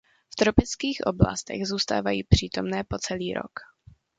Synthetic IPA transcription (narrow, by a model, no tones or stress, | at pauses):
ft̪ɾo̞pɪt͡skiːxʔo̰bla̰st̪ɛ̰ɣzuːst̪aːvajiːpr̥iːt̪o̞mnɛːpo̞t͡sɛliːɾo̞̰k